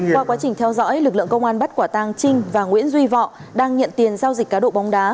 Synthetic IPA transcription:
waː˧˩kwaː˨˦t͡ɕï˨˩ŋ̟t̪ʰɛ˧wzɔ̰ː˧˥jlɨ˨˩k̚lɨ̰˧˨ə˨ŋkə˧wŋ͡mʔaː˧nɓə˦˥t̚kwaː˧˩t̪aː˧ŋt͡ɕï˧ŋ̟vaː˨˩ŋwḭ˧˥ənzwi˧vɔ̰˧˨ɗaː˧ŋɲə̰˧˨nt̪i˨˩ənzaː˧wzi̟˨˩kaː˨˦ɗo̰˧˨ɓa˨˦wŋ͡mɗaː˨˦

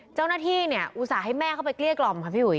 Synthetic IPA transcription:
t͡ɕa˥˩wnaː˥˩t̪ʰiː˥˩ni˥˩ɐʔu˧˩saː˩˦ɦa˥˩jmɛː˥˩kʰa˥˩wpa˧jkli˥˩ək̚lɔ˧mkʰa˦˥pʰiː˥˩u˨˩˦

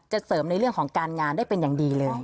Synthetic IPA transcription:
t͡ɕa˨˩sɤː˩˦mna˧jɾɯ˥˩əŋkʰɔː˩˦ŋkaː˧nŋaː˧ndaː˥˩jpe˧njaː˨˩ŋdiː˧lɤː˧j

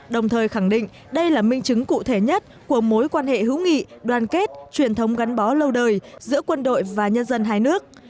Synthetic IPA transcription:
ɗə˨˩wŋ͡mt̪ʰəː˨˩jxa˧˩ŋɗḭ̈˧˨ŋ | ɗə˧jlaː˨˩mï˧ŋt͡ɕɨ˨˦ŋkṵ˧˨t̪ʰe˧˩ɲə˦˥t̚ku˧˩əmo˨˦jkwaː˧nhḛ˧˨ɦɨ̰˧˥wŋḭ˧˨ɗwaː˨˩nke˦˥t̚t͡ɕwi˨˩ənt̪ʰə˨˦wŋ͡mɣa˨˦jŋ̟ɓɔ˨˦lə˧wɗəː˨˩jzɨ̰˧˥əkwə˧nɗo̰˧˨jvaː˨˩ɲə˧nzə˧nɦaː˧jnɨ˦˥ək̚

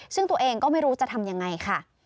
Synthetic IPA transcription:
sɯ˥˩ŋt̪u˧ɐʔeː˧ŋkɔː˥˩ma˥˩jɾuː˦˥t͡ɕa˨˩t̪ʰa˧mja˧ŋːa˧jkʰa˥˩

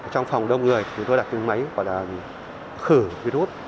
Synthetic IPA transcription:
t͡ɕɔ˧wŋ͡mfa˨˩wŋ͡mɗə˧wŋ͡mŋɨ˨˩əjti˨˩t͡ɕʊ˨˦ŋ͡mt̪o˧a˨˩t̚ɨ˨˧˦ŋma˨˦jvɔ̰˧˩˨jlaː˨˩˨ | xɨ˧˩vi˧ɾu˦˥t̚

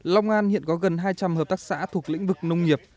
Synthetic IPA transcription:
la˧wŋ͡mʔaː˧nhḭ˧˨ənkɔ˨˦ɣə˨˩nɦaː˧jt͡ɕa˧mhəː˨˩p̚t̪aː˦˥k̚sa̰ː˧˥t̪ʰu˨˩ək̚lḭ˧˥ŋ̟vɨ˨˩k̚nə˧wŋ͡mŋi˨˩əp̚

